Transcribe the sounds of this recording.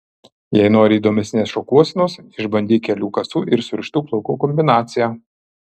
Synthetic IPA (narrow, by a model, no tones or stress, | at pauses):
jɛɪnoːɾʲɪiːd̪oːmʲɛsʲnʲeːsʃoːkuɔsʲɪnoːsɪʒbɐnʲd̪ʲiːkʲɛlʲuːkɐsuːʔɪɾsʲʊɾʲʃʲt̪ʲuːklˠɐʊkuːkɔmʲbʲɪnɑːt̪sʲɪjæː